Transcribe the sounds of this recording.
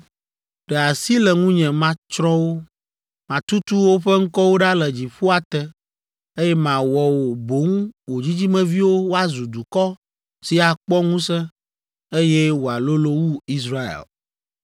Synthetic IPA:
ɖ̥ɛ˨a˨si˦lɛ˨ŋũ˦ɲɛ̃˨mã˦t͡ʃɾɔ̃˦wo˦ | mã˨t̪u˦t̪u˦wo˦ɸɛ˦ŋ̩˦kɔ˦wo˦ɖa˦lɛ˨d͡ʑi˨ɸu˦a˨t̪ɛ˦ | e˦jɛ˦mã˨wɔ˨wo˨bo˨˦ŋũ˦wo˨d͡ʑi˦d͡ʑi˦mɛ̃˦vi˦wo˦wo˦a˦zu˨d̪u˨kɔ˦ | si˨a˨k͡pɔ˦ŋũ˦sɛ̃˦ | e˦jɛ˦wo˨a˨lo˦lo˦wu˦i˦sɾa˦ḛ˨l

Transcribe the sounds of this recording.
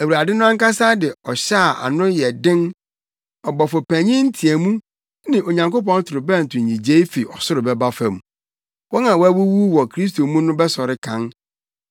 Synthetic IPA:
æ˨wu˨ɾa˨dɪ˦nʊ̃˦ã˦ŋ˦ka˦sa˦dɪ˨ɔ˨ɕa˦˨a̰˨nʊ̃˦jɛ˨dɪ̃˦n | ɔ˨bɔ˨fɔ˨pʰæ̃˨ɲɪ̃˦n̩˦tʰi˨æ˨mũ˦ | nɪ̃˨ʔo˨ɲã˨ŋko˦p̬ɔ̃˦n˦tʰʊ˨ɾʊ˨bɛ˦n̩˨tʰʊ̃˨ɲĩ˨d͡ʑe˦i˦fi˨ɔ˨sʊ˦ɾʊ˨bɛ˦ba˦fɛ̃˨mũ˨ | wɔ˦nã˨wæ˦wu˦wu˦wɔ˨kʰɾi˦s̬tʰo˨mũ˦nʊ̃˦bɛ˦sɔ˨ɾɪ˦kʰã˦n

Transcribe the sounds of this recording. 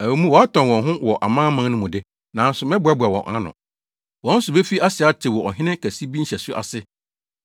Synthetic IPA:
æ˨u˨˦mũ˦wɔ˨a˦tʰɔ̃˨nwɔ̃˨nɦʊ̃˦wɔ˨ʔa̰˨mãː˦mã˦nʊ̃˦mʊ̃˨dɪ˦ | nã˨˦n˦sʊ˨mɪ̃˦bʊ˨a˦bʊ˨a˨wɔ̰̃˨ʔã̰˦nʊ̰̃˨ | wɔ̃˨˦n̩˦sʊ˨be˦fi˦a˦sɪ˨a˦tʰɪ˨wɔ˨ɔ˨ɦɪ̃˦nɪ̃˦kʰæ˨si˦bi˦ɲ̩˦ɛ˨sʊ˦ʔa̰˨sɪ˦

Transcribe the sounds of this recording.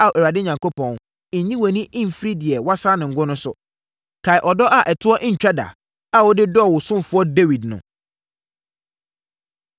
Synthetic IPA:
a˨ɛ˨ɾa˨dɪ˦ɲã˨ŋko˦pʰɔ̃˨n̩˨ | ɲĩ˦wɔ˨nĩ˦ʔɪ̃˦m̩˨fi˦ɾi˦dɪ˨ɛ˨wa˦saː˦nɪ̃˨ŋ̩˨ɡʊ˦nʊ̃˦sʊ̰˨ | kʰa˨ɪ˨ʔɔ˨dɔ˦ʔa˨ʔɛ˨tʰʊ˦ɔ˦ʔɲ̩˨t͡ɕᶣa˦da̰˨ | a˨wʊ˦dɪ˦dɔ˦˨wʊ˨sʊ̃˦m˦fʊ˦ɔ˦de˦wi˨dnʊ̰̃˨

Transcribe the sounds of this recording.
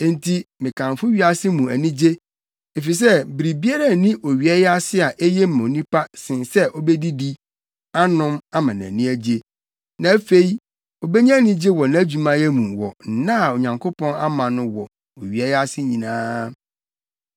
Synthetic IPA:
n̩˦tʰi˦mɪ̃˨kʰã˨ɱfʊ˦ɥi˦a˦sɪ˦mũ˨æ˨nĩ˦d͡ʑe˦ | e˨fi˨s̬ɛ˦bi˨ɾi˨bi˦a˦ɾa˦˨nĩ˦ʔo˨ɥi˨ɛ˦jɛ˦a˦sɪ˦a˨ʔe˦jɛ˦m˦˨ã˨o˨nĩ˦pa˦sɪ̃˨nsɛ˦ʔɔ˦bɛ˦di˦di˦ | a˦nʊ̃˦ma˦mã˨nã̰˨nĩ˦æ˦d͡ʑe˦ | nã˨˦fe˦i˦ | o˨bɛ˦ɲĩ˦æ˦nĩ˦d͡ʑe˦wɔ˨nã˨˦d͡ʑu˨mã˦jɛ˦mũ˨wɔ̰˨n̩˨nã˦˨o˨ɲã˨ŋkʰo˦pʰɔ̃˦na˦mã˨nʊ̃˦wɔ˨ | o˨ɥi˨ɛ˦ja˦sɪ˦ɲĩ˨nãː˦

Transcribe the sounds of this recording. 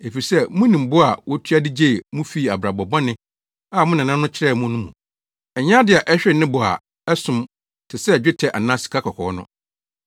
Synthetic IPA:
e˨fi˨i˨sɛ˦mũ˦nĩ˨m̩˨bʊ˦a˨wʔɔ˦tʰɥa˦dɪ˦d͡ʑe˦˨mũ˦fiː˦˨a˨bɾa˨bɔ˨bɔ̃˦nɪ̃˦ | a˦˨mʊ̃˦nã˨nã˦nʊ̃˦t͡ɕʰɪ˨˦ɾɛ˦˨mʊ̃˦nʊ̃˦mũ˨ | ɛ˨ɲ˦ã˦dɪ˨a˨ʔɛ˦ɕᶣɪ˦˨nɪ̃˦bʊ˨a̰˨ | ɛ˦sʊ̃˨m | tʰɪ˨sɛ˦˨d͡ʑᶣɪ˦tʰɛ˨ʔa̰˨nã˦si̥˨kʰa˦kʰɔ˨kʰɔ̰ː˨ɔ˦nʊ̰̃˦

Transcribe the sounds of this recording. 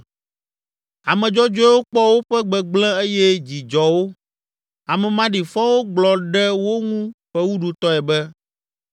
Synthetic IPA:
a˨mɛ̃˨d͡ʒɔ˦d͡ʒɔ˦wo˦k͡pɔ˦wo˦ɸɛ˦ɡ͡bɛ˦ɡ͡blɛ̃˦e˦jɛ˦d͡ʑi˨d͡ʒɔ˨wo˦ | a˨mɛ̃˨mã˦ɖi˨fɔ˦wo˦ɡ͡blɔ˨ɖɛ˦wo˦ŋũ˦ɸɛ˦wu˦ɖu˨t̪ɔ˦ɛ˨bɛ˦

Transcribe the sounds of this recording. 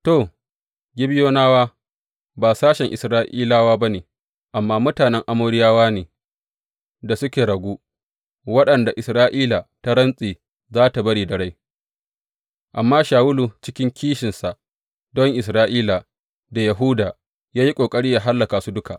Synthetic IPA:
toː˦˨ | ɡʲɪ˦bɪ˦joː˦naː˦waː˦ | baː˨saː˦ʃɛ˨ŋʔɪ˨sɾaː˦ʔiː˦laː˦waː˦ba˦neː˨ | ʔa˨mːaː˦mʊ˦taː˨nɛ˦ŋʔa˦moː˦ɽɪ˦jaː˦waː˦neː˨ | da˨sʊ˦kʲeː˨ɽɐ˨ɡʷuː˦ | wɐ˦ɗɐ˨nda˨ʔɪ˨sɾaː˦ʔiː˦la˨ta˦ɾɐ˦nsʼiː˨ | zaː˦ta˨bɐ˦ɽiː˨dɐ˨ɽa˦j | ʔa˨mːaː˦ʃaː˨wʊ˦lu˨t͡ʃɪ˦kʲɪ˦ŋkʲiː˦ʃɪ˨nsa˨ | dɔ˦ŋʔɪ˨s̬ɾaː˦ʔiː˦la˨ | da˨jɐ˨ɦu˦daː˨ | jaː˦ji˦kʷʼoː˨kʼɐ˦ɽiː˦jaː˨ɦa˦lːɐ˨kaː˨su˦dʊ˦ka˨ʔ

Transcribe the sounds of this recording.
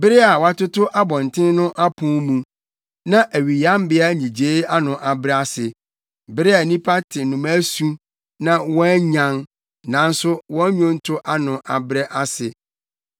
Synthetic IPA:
bɪ˦ɾɪ˦a˨wa˦tʊ˦tʊ˦ʔa˦bɔ̃˨n˨tʰɪ̃˦n˦nʊ̃˦ʔa˦pʰʊ̃˦mũ˨ | nã˦ʔæ˨ɥi˨jã˦m˦bɪ˦a˦ɲĩ˨d͡ʑeː˦a˦nʊ̃˨ʔa˨bɾɛ˦a˦sɪ˨ | bɪ˦ɾɪ˦a˨nĩ˦pʰa˦tʰɪ˨nʊ̃˨mæ˦su˦ | nã˦wɔ̃˦ɲã˨n | nã˨˦n̩˦sʊ˦wɔ̃˦ɲᶣʊ̃˦n̩˦tʰʊ˦ʔa˦nʊ̃˨ʔa˨bɾɛ˦ʔa˦sɪ˨

